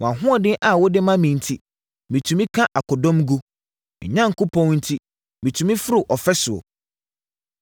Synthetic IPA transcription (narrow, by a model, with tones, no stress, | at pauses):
wɔ̃˨a˨ɦʊ̃˦ɔ˨dɪ˦ʔa˨wɔ˦dɪ˦mã˦mĩ˨n̩˨tʰi˦ | mĩ˨tʰũ˨mĩ˦kʰã˦ʔa˨kʰɔ˨dɔ̃˦mɡṵ˦˨ | ɲã˦ŋ̩˨kʊ˦pʰɔ̃˦nn̩˦tʰi˦ | mĩ˨tʰũ˨mĩ˦fʊ˦ɾʊ˨ʔɔ˨fɛ˦sʊ˨o̰˨